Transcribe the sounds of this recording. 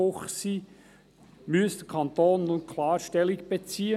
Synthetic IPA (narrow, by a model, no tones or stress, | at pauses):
oχsiː | myəsd̥̪əkʰɑnt̪oːnːunkʰlɑːɾʃtɛlɪɡb̥et͡siːə